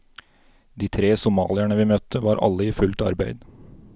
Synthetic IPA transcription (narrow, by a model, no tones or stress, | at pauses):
d̪iːt̪ʰɾeːsʊmɑ̰ːlɪæɳəʋiːmœt̪ʰəʋɑːɾʔɑ̰lːəiːfʉlt̪ɑ̰ɾbæɪd̪